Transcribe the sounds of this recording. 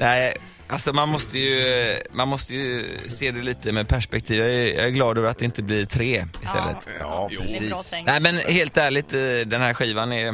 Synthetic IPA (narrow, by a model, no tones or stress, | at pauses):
næɪ | ʔalsɔmanmɔst̪əjɵmanmɔst̪əjɵseːd̪ɛliːt̪əmɛːd̪̚pʰæʂpɛk̚t̪ʰiːvjɑæɾjɑ̰ːɡæɾɡlɑːd̪øːvəɾat̪d̪ɛɪnt̪əblɪɾt̪ʰɾeːɪst̪ɛ̰lːə̰t̪ː | næɪmɛnheːlt̪æːɭɪt̪d̪ɛnhæɾɧiːvanæɾj